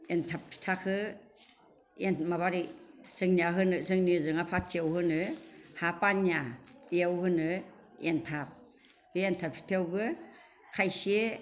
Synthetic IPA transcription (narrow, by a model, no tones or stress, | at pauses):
entʰapʰːi̥tʰakʰɯ | enmaβaɾisɯŋniaɦɯnɯsɯŋnizɯŋapʰasiawhɯnɯhapanjaeawhɯnɯ | entʰap̚ | bientʰapʰi̥tʰewbɯ | kʰajsie